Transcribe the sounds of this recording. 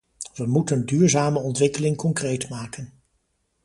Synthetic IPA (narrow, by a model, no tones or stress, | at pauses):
ʋəmutəndyːɹzaːməɔntʋɪkəlɪŋkɔŋkrejtmaːkən